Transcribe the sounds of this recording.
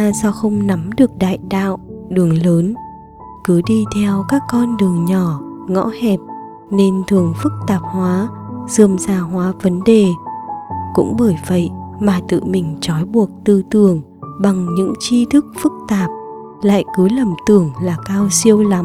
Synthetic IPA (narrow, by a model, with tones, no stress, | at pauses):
sa˧wxə˧wŋ͡mna˨˦mɗɨ˨˩ək̚ɗa̰ː˧˨jɗa̰ː˧˨wɗɨ˨˩əŋləː˨˦n | kɨ˨˦ɗi˧t̪ʰɛ˧wkaː˦˥kːɔ˧nɗɨ˨˩əŋɲɔ˧˩ŋɔ̰˧˥hɛ˨˩p̚ | ne˧nt̪ʰɨ˨˩əŋfɨ˦˥k̚t̪aː˨˩p̚hwaː˨˦z̥ɨ˨˩əmzaː˧˩ɦwaː˨˦və˨˦nɗe˨˩ | kʊ̰˧˥ŋ͡mɓəː˧˩jvə̰˧˨jmaː˨˩t̪ɨ̰˧˨mï˨˩ŋ̟t͡ɕɔ˨˦jɓu˨˩ək̚t̪ɨ˧t̪ɨ˨˩əŋ | ɓa˨˩ŋɲɨ̰˧˥ŋt͡ɕi˧t̪ʰɨ˦˥k̚fɨ˦˥k̚t̪aː˨˩p̚ | la̰ː˧˨jkɨ˨˦lə˨˩mt̪ɨ˨˩əŋlaː˨˩kaː˧wsi˧əwla˨˦m